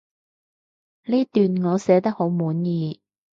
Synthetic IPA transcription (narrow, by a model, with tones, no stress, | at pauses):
liː˥t̪yː˨nŋɔː˨˧sɛː˨˥t̪ɐ˥k̚ho˨˥wmuː˨˥njiː˨˧